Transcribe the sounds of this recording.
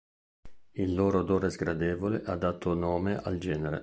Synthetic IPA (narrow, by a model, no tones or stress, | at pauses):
ilːoːɾod̪oːɾezɡɾad̪ɛːvoleʔad̪ːat̪ʰːonoːmeʔa̰ld͡ʒɛːneɾḛ